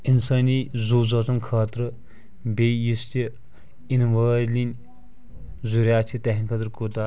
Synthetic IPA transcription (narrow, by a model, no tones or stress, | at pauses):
insɐːnizuːzɐt͡sɐnkʰaːt̪ɾɨ | beːjist̪i | inʋəːlinʲ | zuɾʲjaːt͡ʃʰit̪ɐɦiŋkʰɐt̪ɾkut̪aː